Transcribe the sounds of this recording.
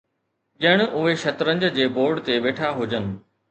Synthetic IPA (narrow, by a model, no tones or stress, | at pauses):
ʄəɽ̃ʔʊɦeʃɐt̪ɾə̃ɲd͡ʑd͡ʑeːboːɾɖt̪eʋeːʈʰaɦʊd͡ʑənɪ̆